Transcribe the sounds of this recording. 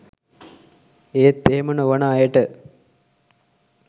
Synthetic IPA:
eːt̪ːeɦemənəʋənaːjəʈə

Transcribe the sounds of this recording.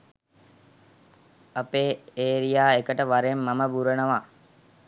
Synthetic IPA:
apeːeːɾijaːekəʈəʋaɾemːaməbuɾənəʋa

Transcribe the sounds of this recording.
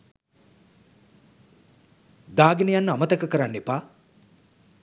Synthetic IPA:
d̪aːɡinejanːəamət̪ɐkəkəɾanːepaː

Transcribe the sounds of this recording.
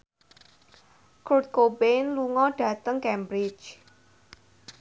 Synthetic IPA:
kɾut̪̚kobenluŋɔɖ̥ä̤t̪əŋkɛmbɾɪt͡ʃ

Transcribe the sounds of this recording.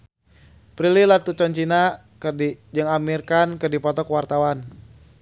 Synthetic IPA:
pɾililat̪ut͡ʃɔnt͡ʃina | d͡ʒɨŋamirkankɨrdipɔt̪ɔkwart̪awan

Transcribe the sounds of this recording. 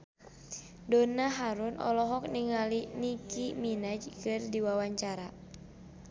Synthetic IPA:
dɔnaɦaɾunɔ̰lɔɦɔk̚niŋalinikiminad͡ʒkɨrdiwawaɲt͡ʃaɾa

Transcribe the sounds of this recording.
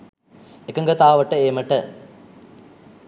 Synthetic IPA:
ekːɐŋɡɐt̪aːʋɐʈːɐeːmɐʈːɐ

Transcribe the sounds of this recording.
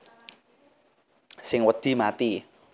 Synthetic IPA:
sɪŋwəd̪̥i̤mat̪i

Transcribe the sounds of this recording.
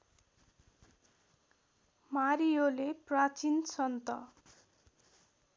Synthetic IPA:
maɾijoleprat͡sinsʌnt̪ʌ̰

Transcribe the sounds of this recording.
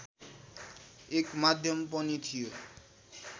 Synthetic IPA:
ekmad̪ʱjɔmpɔnit̪ʰijo

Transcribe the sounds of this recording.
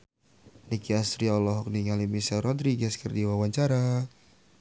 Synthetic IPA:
nikiasɾialɔɦɔk̚niŋalimisalrɔd̪ɾiɡɛskərdiwawaɲt͡ʃaɾa

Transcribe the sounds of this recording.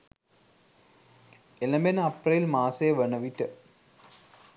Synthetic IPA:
elɐmbenɐprɐilmaːsejːʋɐɳɐʋiʈːɨ

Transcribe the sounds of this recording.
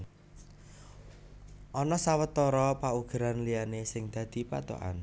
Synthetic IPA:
ʔɔnɔsawət̪ɔɾɔpauɡ̥ə̤ɾanlianesɪŋd̪̥ä̤d̪̥i̤pa̰t̪o̰ʔa̰n

